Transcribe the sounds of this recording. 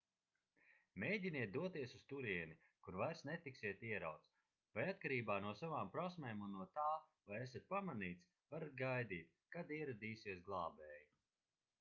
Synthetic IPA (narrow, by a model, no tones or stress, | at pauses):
mʲejdʲiniɛt̪̚d̪uɔt̪iɛsust̪uɾiɛni | kuɾvajɾsnɛt̪iksiɛt̪iɛɾa̰wt̪s | vajat̪̚kaɾiːbaːnuɔsavaːmpɾɔsmʲɛːmunːuɔt̪aːvajɛsɛt̪̚ʲpamaniːt̪s | vaɾat̪̚ɡajd̪iːt̪̚kad̪iɛɾad̪iːsiɛsɡlˠɑːbɛːji